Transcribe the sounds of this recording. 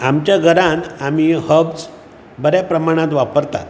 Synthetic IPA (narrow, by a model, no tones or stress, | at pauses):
amt͡ɕjaɡʱəɾãnamihəbd͡z | bəɾjapɾəmaɽ̃ãt̪ʋapəɾt̪a̰t̪